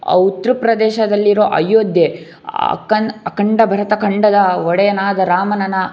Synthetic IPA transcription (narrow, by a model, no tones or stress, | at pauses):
ɐ̰ut̪ɾupɾɐd̪ɛːʃɐd̪ɐlːiɾo̞ːʔɐjoːd̪jḛ | kɐnɐkɐɳɖɐbʱɐɾɐt̪ɐkɐɳɖɐd̪ɐɔɽɛjɐnaːd̪ɐɾaːmɐnɐnɐ